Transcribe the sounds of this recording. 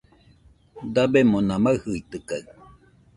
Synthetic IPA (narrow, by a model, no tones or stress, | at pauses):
d̪abemonamahɯit̪ɯkaɯ